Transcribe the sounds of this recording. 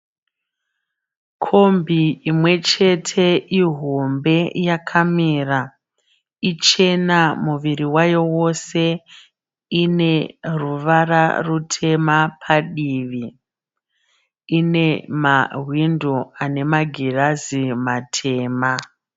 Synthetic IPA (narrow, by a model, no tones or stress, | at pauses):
kʰo̞mbiimwe̞t͡ʃe̞tʰe̞ʔiɦo̞mbe̞jakʰamiːra | it͡ʃe̞namuʋiriwajo̞wo̞se̞ | ine̞ruʋara̰rutʰe̞mapʰaɗiːʋi | ine̞maɦwindoane̞maɡʱirazimatʰe̞ːma